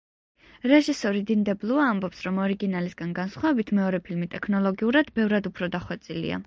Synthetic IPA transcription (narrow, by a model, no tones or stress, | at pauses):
ɾɛʒisɔɾid̪ind̪ɛblˠuaːmbɔpsɾɔmɔɾiɡinalisɡanɡansχwavɛbit̪ʰmɛɔɾɛpʰilmit̪ʼɛkʰnɔlˠɔɡiuɾad̪bɛvɾad̪upʰɾɔd̪aχwɛt̪sʼilḭa̰